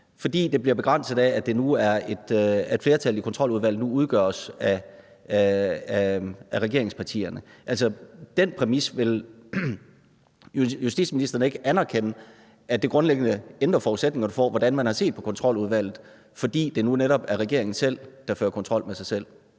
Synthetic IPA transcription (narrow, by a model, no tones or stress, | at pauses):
fɒ̽d̥ḭːd̥e̝b̥liɐb̥e̝ɡ̥ʁɑn̰səð̩ˠæːd̥e̝nuæɐe̝d̥fle̝ːɐt͡sʰælˠikʰɒ̽nt͡sʰʁɒ̽l̰uð̞ˠʋæl̰ð̩nuuð̞ˠɡ̥ɶɐsæ | æʁɛɡ̥e̝ɐ̰e̝ŋspʰɑ̈t͡sʰḭːɐnəʔælsɐd̥enpʰʁɛmisʋe̝l | jusd̥ḭd̥sminisd̥ɐnəe̝ɡ̥əænæɐkʰenə | ʔæd̥e̝ɡ̥ʁɔ̽nleɡ̥ən̩əend̥ʁɐfɒːused̥̚ne̝ŋɐfɒʋɒd̥ænmænhɑ̈se̝̰ːd̥̚pʰɒ̽kʰɒ̽nt͡sʰʁɒ̽l̰uðˠʋæl̰ð̩ˠ | fɒ̽d̥ḭːd̥e̝nuneɾɒ̽b̥æɐʁɛɡ̥e̝ɐeŋn̩sel̰d̥ɑ̈føːɐkʰɒ̽nt͡sʰʁɒ̽l̰mesɑ̈ɪsel̰